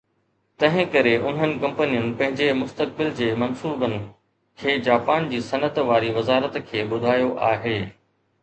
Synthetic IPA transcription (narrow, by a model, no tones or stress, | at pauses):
t̪ɐ̃ɦɪ̃kɐɾeʔʊn̤ənɪ̆kɐ̃mpənijʊnɪ̆pɐ̃ɦɪ̃ɲd͡ʑemʊst̪ək̚bɪld͡ʑeːmɐnsuːbənɪ̆ | kʰeːd͡ʑaːpaːnd͡ʑiːsɐnət̪ʋaːɾiʋɐzaːɾət̪kʰeːɓʊd̪ʱaːjoʔa̰ːɦeː